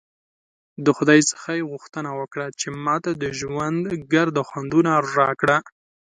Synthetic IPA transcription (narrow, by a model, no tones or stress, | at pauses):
d̪əxʊd̪ɑjsə̥xajeɣʊxt̪ənawəkɽat͡ʃemɑt̪ad̪əʒwand̪ɡaɾd̪əxwand̪unaɾɑkɽa